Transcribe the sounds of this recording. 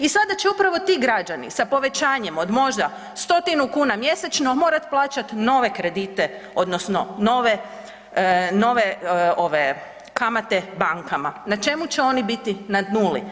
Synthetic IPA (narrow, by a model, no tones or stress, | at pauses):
isad̪at͡ɕeupɾaʋo̞t̪iːɡɾad͡ʒanḭsapo̞ʋe̞t͡ɕaːɲe̞mo̞d̪mo̞ʒd̪a | st̪o̞t̪inukuːnamje̞set͡ʃno̞mo̞ːɾat̪plˠaːt͡ʃat̪no̞ːʋe̞kɾe̞d̪iːt̪e̞ | o̞d̪nosno̞no̞ʋe | no̞ʋeoʋe | kamat̪e̞baŋkamanat͡ʃe̞mut͡ɕeo̞nibit̪inad̪nuːlḭ